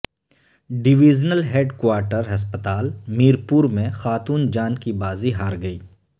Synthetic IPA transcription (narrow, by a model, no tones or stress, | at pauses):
ɖɪʋiːd͡ʒnəlɦeːɖkwaːɾʈəɾɦɐspət̪aːlmiːɾpuːɾmẽxaːt̪uːnd͡ʒaːnkibaːziɦaːɾɡɐiː